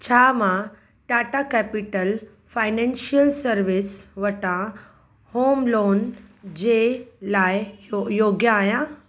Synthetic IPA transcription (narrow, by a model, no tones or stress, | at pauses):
t͡ɕʰaːmã | ʈaːʈakɛːpɪʈəl | faːɪnɛ̃ːnʃiəlsɐɾʋɪsʋɐʈã | hoːmloːnd͡ʑeːlaːɪjoːɡjãaːjã